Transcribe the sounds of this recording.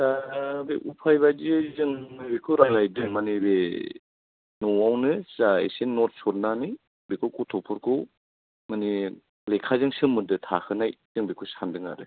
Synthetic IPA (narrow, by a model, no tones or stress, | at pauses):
sabiʔupʰajbad͡ʒizɯŋbikʰuɾalajdɯŋmanibe | nɔawnɯzaḛsenːɔt̚sɔɾnani | bikʰukutʰɔpʰɔɾkʰuw | mani | lekʰazɯŋsɯmːɯdɯtʰakʰɯnajzɯŋbikʰusandɯŋa̰ɾɯ